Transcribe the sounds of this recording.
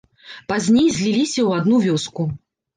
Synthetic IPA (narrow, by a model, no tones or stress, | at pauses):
pazʲnʲejzʲlʲilʲisʲɐwad̪nuvʲɔsku